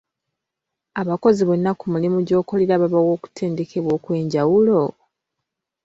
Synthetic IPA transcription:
aβako̞ziβo̞nːakumulimuɟo̞ːko̞le̞ɾaβaβawo̞ːku̥tʰe̞ːndeke̞βwo̞ːkwe̞ːɲɟawulo̞

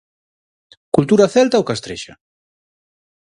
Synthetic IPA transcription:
kult̪uɾaθɛlt̪aokast̪ɾḛʃa̰

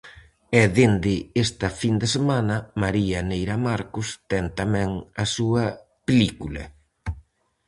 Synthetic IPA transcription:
ɛðend̪ɪest̪ɐfind̪esemanɐmaɾiɐnejɾɐmaɾkʊst̪ɛnt̪amɛ̃ŋɐsuɐ | pelikulɐ̰

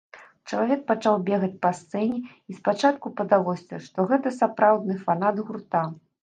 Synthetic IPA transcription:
t͡ʂɐlˠavʲɛk̚pat͡ʂawbʲɛɣɐt͡sʲpast̪sɛnʲɛ | ispat͡ʂat̪kupɐd̪avɔsʲt͡sʲɛʂt̪ɔɣɛt̪ɐsapɾawd̪nɨfanad̪ɣurt̪a

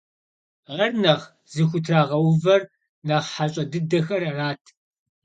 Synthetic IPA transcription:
ʁɐrnɐʁ | zɨxʷʊtʰraːʁɐwvɐr | naːʁħaɕʼɐdɨdɐxɐrɐraːtʰ

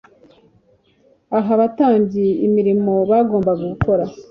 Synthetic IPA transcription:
aɦaβataːmbɟiimiɾimo̞βaːɡo̞ːmbaɡuɡukʰo̞ɾa

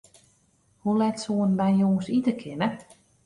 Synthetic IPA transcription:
hulɛtsuənbɛjjoːsitəkʰɪnə

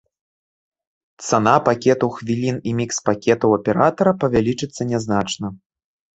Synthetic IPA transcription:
t̪sanapakʲɛt̪uwxvʲilʲinimʲikspakʲɛt̪ɐwɐpʲɛɾat̪ɐɾɐpɐvʲalʲit͡ʂɨt̪sːɐnʲɛznat͡ʂnɐ

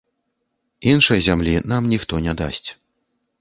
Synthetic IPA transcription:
inʂɐjzʲamlʲinamnʲixt̪ɔnʲɛd̪a̰sʲt͡sʲ

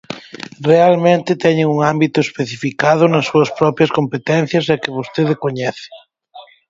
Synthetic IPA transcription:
realmẽnt̪ɪt̪ɛɲẽŋuŋambit̪ʊespeθifikað̞ʊnɐsːuɐspɾɔpɾjɐskompet̪ɛn̟θjɐsakɪβost̪eðekoɲɛθɪ̥

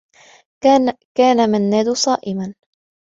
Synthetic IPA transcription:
kaːnamanːaːd̪ʊsˤɑːʔɪman

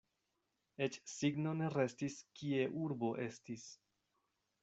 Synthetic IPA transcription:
e̞t͡ʃsiɡno̞ne̞ɾe̞stiskie̞ʔuɾbo̞ʔe̞stis

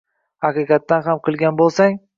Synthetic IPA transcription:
haqɨqɑt̪ːanɦamqʰɨlˠɡʲanbolˠsaŋ

